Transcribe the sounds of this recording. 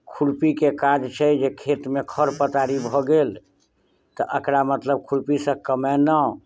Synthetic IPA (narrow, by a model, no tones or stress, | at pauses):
kʰuɽpikekad͡ʒt͡ʃʰɛd͡ʒekʰet̪mekʰəɾpət̪aɾibʱɔɡel | t̪ɔʔəkɾamət̪ləb̚kʰuɽpisə̃kəmɛnə